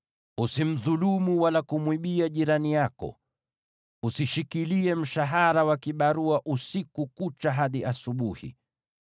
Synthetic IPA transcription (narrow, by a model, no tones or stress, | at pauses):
usim̩ðulumuwalakumwiɓiaʄiɾanijakɔ̰ | usiʃikiliɛm̩ʃaɦaɾawakiɓaɾuaʔusikukut͡ʃaɦaɗiasuɓuhḭ